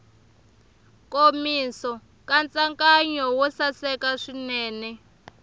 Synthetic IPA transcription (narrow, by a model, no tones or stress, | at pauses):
komisɔ | kant͡sʼaŋkaɲɔwɔsasɛkaʂinɛːnɛ